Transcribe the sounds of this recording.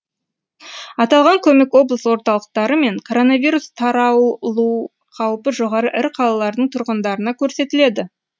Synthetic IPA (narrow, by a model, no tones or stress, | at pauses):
ɑt̪ɑlˠʁɑŋkʲʰɵme̞kwo̞blˠəsəwo̞ɾt̪ɑlˠəq̚t̪ɑɾəme̞ŋkʰo̞ɾo̞nɑvʲijɾust̪ʰɑɾɑwlˠu | qʰɑwpəʒo̞ʁɑɾəʔɪɾqʰɑlˠɑlˠɑɾd̪əɴt̪ʰʊɾʁənd̪ɑɾənɑkʲʰɵɾse̞t̪ɪle̞d̪ɪ